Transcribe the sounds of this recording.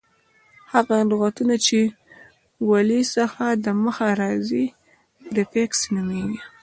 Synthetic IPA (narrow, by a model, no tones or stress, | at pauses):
haɣaduɣat̪unat͡ʃe | walisəxad̪əməxaɾɑzi | ɾɪfeksnumeɡi